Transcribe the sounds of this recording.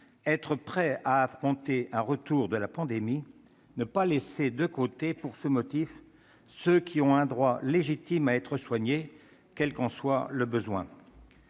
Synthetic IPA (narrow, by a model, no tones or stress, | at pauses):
ɛt̪χəpχɛaːfχɔ̃t̪eʔɛ̃ʁət̪uʁd̪əlapɑ̃d̪emi | nəpalesed̪əkot̪epuʁsəmɔt̪if | søkʲiɔ̃ɛ̃d̪ʁwaleʒit̪imaɛt̪χəswaɲe | kʲɛlkɑ̃swaləbəzwɛ̃